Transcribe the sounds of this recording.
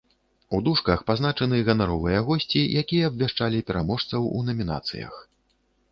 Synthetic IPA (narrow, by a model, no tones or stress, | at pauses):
ud̪uʂkɐxpazn̪at͡ʂɐnɨɣɐnaɾɔvɨjɐɣɔsʲt͡sʲijʔakʲijɐːbʲvʲaʂt͡ʂalʲipʲɛɾamɔʂt̪sɐwunɐmʲina̰t̪sɨ̰jɐ̰x